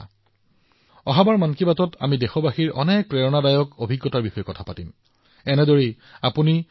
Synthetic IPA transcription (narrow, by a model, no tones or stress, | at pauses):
ɔɦabaɹmankibatɔta̰midexɔbaxiɹɔ̰nɛk̚pɹɛɹɔnadajɔkobʱiɡːɔtaɹbixɔjɔkɔtʰapatim | ɛnɛdoɹi | apuni